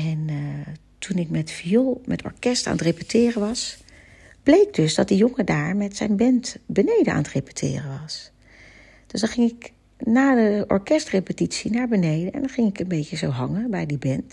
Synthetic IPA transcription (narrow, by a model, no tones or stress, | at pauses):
ɛn | tunɪkmɛtfiolˠmɛtɔ̰ɹkɛsta̰ːnətrepytɪːrəʋɑs | b̥lejɡ̚døsdɑt̚dəjɔŋədaːɹmɛtsɛjnbɛntbənejdəa̰ːnətrepy̥tʰɪ̰ːrəʋɑs | d̥øsdɑnχɪŋɪk | naːdəɔ̰ɹkɛstrepətitsinaːɹbənejdəɛ̰ndɔnχɪŋɪkənbejcəzowɦɑŋəbɛjdibɛnt